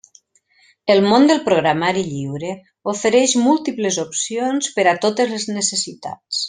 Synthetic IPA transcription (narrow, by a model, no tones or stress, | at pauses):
əlˠmond̪əlˠpɾoɣɾamaɾiʎiwɾe | ofəɾɛʃmulˠt̪ipləzopsionspəɾat̪ot̪əzləznəsəsit̪a̰t͡s